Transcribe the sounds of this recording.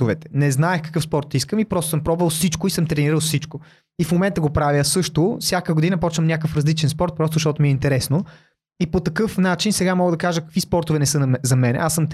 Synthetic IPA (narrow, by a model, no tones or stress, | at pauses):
t̪ovɛt̪ɛ̥nɛznaɛxkɐ̥kɤfspɔɾt̪ːiskəmipɾɔst̪ʊsɤmpɾɔbvəlˠfsit͡ʃkoisɤmt̪ɾɛniɾəlˠfsit͡ʃko | ifmomɛnt̪əɡopɾavjəsɤʃt̪ofsʲjakəɡod̪inɐpɔt͡ʃnəmnʲakəfɾɐzlit͡ʃɛnspɔɾt̪̚pɾɔst̪oʃt̪ɔt̪ʊmiɛint̪ɛɾɛsno | ipot̪ɐkɤfnat͡ʃinsɛɡamɔɡəd̪ɐkaʒəkɐ̥kvispɔɾt̪ʊvɛnɛsɤnzɐmɛnɛ̰asəm